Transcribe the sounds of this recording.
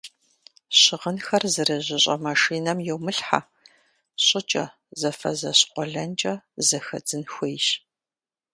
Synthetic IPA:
ɕɪʁənxɐrzɨɾɐʑɪɕʼɐmaʂiːnɐmjɛwmɨɬħa̰ | ɕʼɪt͡ʃʼɐ̰ | zɐfɐ̰zɐɕqʷɔɮɐnt͡ʃʼɐzɐxɐ̰d͡zɨnxʷejʃ

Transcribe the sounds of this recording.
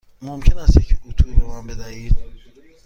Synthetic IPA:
momcʰenæst̪jecʰut̪ʰuɾbemanbed̪æhiːd̪̥̚

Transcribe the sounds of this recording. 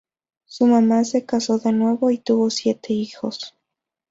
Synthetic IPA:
sumamase̞kaso̞ðenwe̞βoit̪uβosjet̪ʰeixos

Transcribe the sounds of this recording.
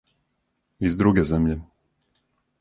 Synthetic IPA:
vizd̪ɾuɡɛːzɛmʎɛ

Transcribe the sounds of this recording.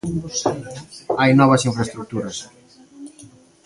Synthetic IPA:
ajnɔβ̞ɐsiɱfɾɐst̪ɾuk̚t̪uɾɐs

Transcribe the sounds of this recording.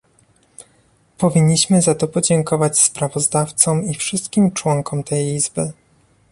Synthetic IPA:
pɔvʲiɲːiɕmɘzat̪ɔpɔd͡ʑɛŋkɔvat͡ɕspɾavɔzd̪aft̪sɔmifʂɘst̪kʲimt͡ʂwɔŋkɔmt̪ɛjizbɘ

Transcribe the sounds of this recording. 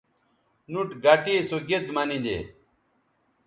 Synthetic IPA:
nuʈɡaʈiːsoɡed̪mɐnĩd̪ḛː

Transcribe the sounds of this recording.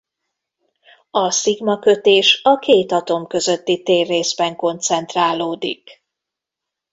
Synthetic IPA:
ɒsiɡmɒkø̞t̪eːʃɒkeːt̪ɒt̪o̞mkø̞zøt̪ːit̪eːrːeːzbɛŋko̞nt̪sɛn̪t̪raːloːd̪ḭk

